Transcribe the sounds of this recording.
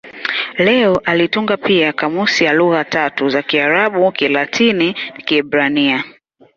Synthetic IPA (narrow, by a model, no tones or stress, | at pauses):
lɛɔʔalituŋɡapiakamusijaluɣatatuzakiaɾaɓukilatʰinikiɛbɾania